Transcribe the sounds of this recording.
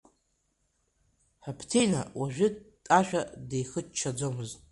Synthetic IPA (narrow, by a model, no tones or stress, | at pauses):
ħapʰtʰejna̰waʒᶣʷʏtʼaʃᶣadejχət͡ʃt͡ʃʰːad͡zomɨztʼ